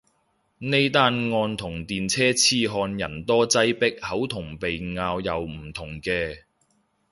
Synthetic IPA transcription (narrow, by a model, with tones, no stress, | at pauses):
ne˥jt̪aː˥nŋɔː˧nt̪ʰʊ˨˩ŋt̪iː˨nt͡sʰɛː˥t͡sʰiː˧ɦɔː˧njɐ̰˨˩nt̪ɔː˥t͡sɐ˥jpɪ˥k̚hɐ˨˥wt̪ʰʊ˨˩ŋpe˨jŋaː˧wjɐ˨wm̩˨˩t̪ʰʊ˨˩ŋkɛː˧